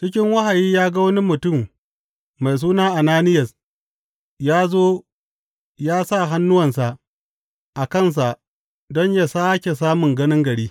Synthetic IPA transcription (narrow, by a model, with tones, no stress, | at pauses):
t͡ʃɪ˦k̬ʲɪ˦ŋwɐ˦ha˨jiː˦jaː˦ɡa˦wɐ˦ni˦mʊ˨tʊ˦˨mː | a˨js̬uː˦naː˦ʔa˨naː˦nɪ˦jɐ˨s | jaː˦zoː˦ | jaː˦sa˦˨ɦa˦nːʊ˦wɐ˨ns̬a˨ʔ | ʔa˨kɐ˦˨ns̬a˨ʔ | dɔ˦ɲja˨saː˦kʲe˨s̬aː˦mʊ˨ŋɡɐ˦nɪ˦ŋɡɐ˨ɽiː˦